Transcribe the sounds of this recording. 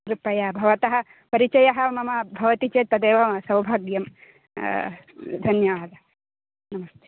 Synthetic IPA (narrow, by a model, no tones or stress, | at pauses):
ɾupɐjabʱɐʋɐt̪ɐɦɐ | pɐɾit͡ʃɐjɐɦɐ̆mɐmɐbʱɐʋɐt̪it͡ʃeːt̪ɐd̪eːʋɐsɐwbʱaːɡjɐm | d̪ʱɐnjɐʋaːd̪ʱɐ | nɐmɐst̪ʰe